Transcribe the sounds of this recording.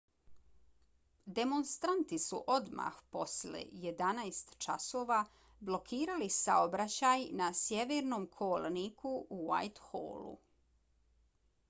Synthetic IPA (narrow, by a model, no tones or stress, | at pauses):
d̪e̞monst̪ɾant̪isṵʔo̞d̪ma̰xpo̞slḛje̞d̪anajst̪t͡ʃaso̞ːʋa | blˠo̞kʰiːɾalisaobɾat͡ɕajnasjeʋeːɾnomkʰolnikʰuuʋa̰jt̪xo̰ːlṵ